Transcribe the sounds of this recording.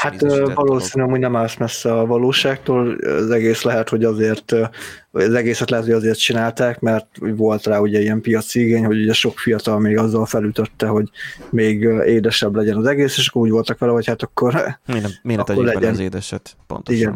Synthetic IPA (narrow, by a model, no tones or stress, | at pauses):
hat̪ːvɒloːsiːnyɒmuːɟnɛmalsmɛsːɛɒvɒloːʃaːkt̪oːl̰zɛɡeːslɛɦɛt̪ho̞ɟɒzeːrt̪ | oɒzɛɡeːsɛt̪lɛɦɛt̪hoɟɒzeːrt̪̚t͡ʃinaːlt̪aːkmɛrt̪uɟvo̞lt̪raːuɟɛijɛmpijɒt̪siiɡeːɲho̞ɟuɟɛʃo̞kfijɒt̪ɒlmeːɡɒzːɒlfɛlyt̪øt̪ːɛɦo̞ɟmeːɡeːd̪ɛʃɛblɛɟɛnɒzɛɡeːseːʃɒkːouːɟvo̞lt̪ɒkʋɛlɛɦo̞chat̪ɒkʰːo̞rneɒkːorlɛɟɛnːd̪ʃɛt̪po̰nt̪iɡɛn